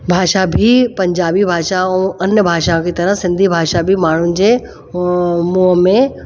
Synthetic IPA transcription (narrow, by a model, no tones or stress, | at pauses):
bʱaːʃabʱipɐ̃ɲd͡ʒaːbibʱaːʃaõənjəbʱaːʃaõkit̪ɐɾəɦsɪ̃nd̪ʱibʱaːʃabʱimaːɽ̤und͡ʑe | muəmẽ